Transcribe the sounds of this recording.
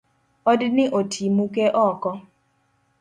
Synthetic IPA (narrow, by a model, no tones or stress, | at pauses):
ɔdnɪʔotʰimukeʔɔkɔ